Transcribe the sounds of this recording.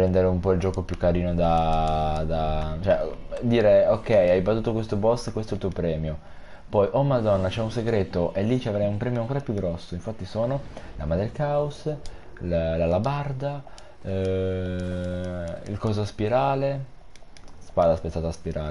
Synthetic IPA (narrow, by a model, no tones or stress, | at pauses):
pɾɛnd̪eɾeumpɔild͡ʒɔːkopjukːaɾiːnod̪a | d̪at͡ʃoɛd̪iːɾeokːɛjajbat̪uːt̪okwest̪obɔst̪kːwest̪ɛlt̪uːopɾɛːmjo | pɔjʔɔmad̪ɔnːat͡ʃɛunseɡɾeːt̪oʔelːit͡ʃiavɾajumpɾɛːmjoaŋkoːɾapjuɡɾɔsːoiɱfat̪ːisoːnolamad̪elkaus | llalabard̪a | ḭlkɔzospiɾaːle | spad̪aspet̪ːat̪aspiɾa̰ːle